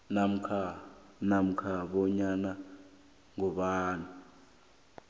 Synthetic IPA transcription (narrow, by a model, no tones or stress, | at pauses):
nam̩kʰa | nam̩kʰaɓɔɲana | ŋɔɓaːnu